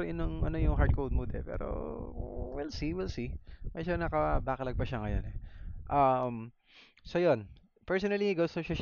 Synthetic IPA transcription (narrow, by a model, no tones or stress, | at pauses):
ʔɪnoŋʔɐno̞jʊŋɦaɹd̪̚kowd̪̚mud̪ɛ̰pɛ̰ːɾo̰ | wilsiwilsimɛd͡ʒonɐkɐbakɐlɐɡ̚bɐʃɐŋɐjo̰nɛʔɐm | sojo̞n | pɛɹsonɐliɡowst̪oʃaʃ